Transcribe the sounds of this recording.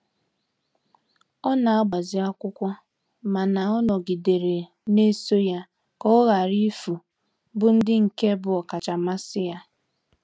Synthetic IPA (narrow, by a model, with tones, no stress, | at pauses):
ɔ˦na˨a˦ɡ͡ba˨zɪ˨a˦kʷʊ˦kʷɔ˦ | ma˨na˨ɔ˦nɔ˨ɡi˨de˨ɾe˨ | ne˦so˦ja˦ | kɔ˦ɣa˨ɾi˦fu˨ | bʊ˦n̩˦dɪ˦ŋ̩˨ke˦bʊ˨ɔ˨ka˨t͡ʃa˨ma˦sɪ˦ja˦